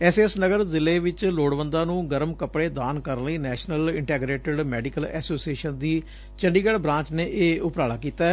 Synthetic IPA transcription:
ɛːseːsnəɡəɾzɪleːʋɪt͡ʃloːɽʋənd̪aːnũːɡəɾmkəpɽeːd̪aːnkəɾənləiːnɛːʃnəlɪɳʈɛːɡɾeːʈəɖmɛːɖiːkəlɛ̰ːsoːsieːʃənd̪iː | t͡ʃəɳɖiːɡəɽbɾãːt͡ʃneːʔeːʊpɾaːɽaːkiːt̪aː

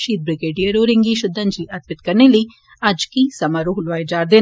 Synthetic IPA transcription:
ʃiːt̪̚bɾiɡeːɖijɐɾuːɾiŋɡiʃud̪ʱːɐnd͡ʒliɐt̪ʋit̪̚kɐnili | ɐd͡ʒkisɐmɐɾuɦulʋaːjd͡ʒaːɾd̪e

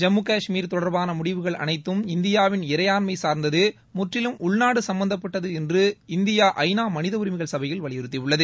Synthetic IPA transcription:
d͡ʒɛmːɯkaːʂmiːɾt̪ɔɽɐɾbaːnɐmʊɽɪʋɯɣɐɭʔɐ̰nɐɪt̪ːɯmɪnd̪ɪjaːʋɪnɪɾɐjaːnmɐɪsaːɾnd̪ɐðɯ | mʊʈrɪlɯmʊɭnaːɽɯsɐmbɐnd̪ɐpːɐʈːɐðɯɛndrɯɪnd̪ɪjaːʔɐɪnaːmɐnɪðɐʊɾɪmɪɣɐɭsɐbɐjɪlʋɐɭɪjɪɾɯt̪ːɪʋɯɭːɐðɯ

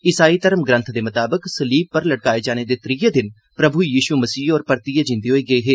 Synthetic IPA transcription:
ɪsaːit̪əɾəmɡɾə̃nt̪ʰd̪eːmʊt̪aːbəksɐliːb̚pəɾlɐɽkaːed͡ʒaːñed̪eːt̪ɾiːəd̪ɪn | pɾəbʱujiːʃumɐsiːɔːɾpəɾt̪iːad͡ʒɪ̃nd̪eɦoːiːɡɐeɦeː

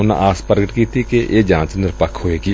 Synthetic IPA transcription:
ʊnã̰ːʔaːspəɾɡəʈkiːt̪iːkeʔeːd͡ʒãːt͡ʃnɪɾpəkʰɦoːeːkiː

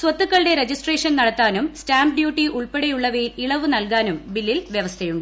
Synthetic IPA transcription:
sʋɐt̪ːukːɐɭɖeɾed͡ʑisʈreːʂɐnnɐɽɐt̪ːaːnumstaːmpɖjuːʈːiuɭpeɽejuɭːɐʋiliɭɐʋɨnɐlkaːnumbilːilʋjeʋɐst̪ʰɐjuɳɖɨ

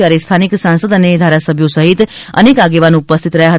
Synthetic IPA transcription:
jaɾest̪ʰaniksãnsəd̪əned̪ʱaɾasəbʱjosəɦit̪ | ə̰nekaɡeʋanupəst̪ʰit̪ɾəɦjaɦə

